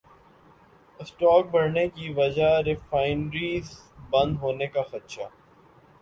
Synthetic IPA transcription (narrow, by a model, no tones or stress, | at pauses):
ɪsʈɔːk̚bɐɾnekiʋɐd͡ʒaɾɪfaːɪnɾiːz | bɐ̃nd̪ɦoːnekaxɐt̪ʃaː